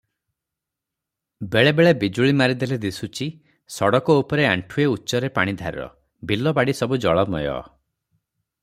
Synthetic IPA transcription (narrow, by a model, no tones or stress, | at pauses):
beɭebeɭebid͡ʒuɭimaɾid̪eled̪isut͡ʃi | sɔɽɔkɔupɔɾeaɳʈʰueutːʃɔɾepaɽ̃id̪ʱa̰ɾ̰ɾɔ̰ | bilːɔbaɽisɔbud͡ʒɔɭɔmɔ̰jɔ̰